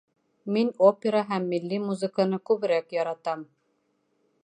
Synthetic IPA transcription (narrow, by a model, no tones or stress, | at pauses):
minopʲeɾəɦæmːilːimuzɨ̆kənɤkʉβɘ̆ɾækjɑɾɑt̪ɑm